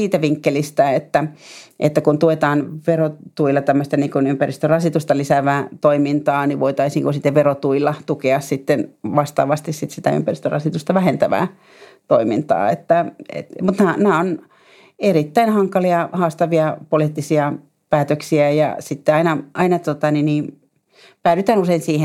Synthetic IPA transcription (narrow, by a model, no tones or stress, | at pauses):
iːt̪æʋiŋkːelist̪æet̪ːæʔḛt̪ːækunt̪uet̪ɑːnʋerot̪uilːˑɑt̪æmːøst̪æniːŋkunympærist̪ørɑsit̪ust̪ɑlisæʋæːt̪oimint̪ɑːniʋʋoit̪ɑisniːŋkunsit̪ːeʋʋerot̪uilːɑt̪ukeɑssit̪ːenʋɑst̪ɑ̰ːʋɑst̪issit̪sit̪æ̰y̰mpærist̪ørɑ̰sit̪ust̪ɑʋæhent̪æʋæ̰ː | t̪oimint̪ɑ̰ːḛt̪ːæḛt̪mut̪nænæːon | erit̪ːæinhɑŋkɑliɑhɑːst̪ɑʋiɑpoliːˑt̪ːisiɑ | pæːt̪øksiæjɑ̰sit̪ːeɑinɑʔɑinɑt̪ot̪ɑniniː | pæːɾyt̪æːnuseinsiːhe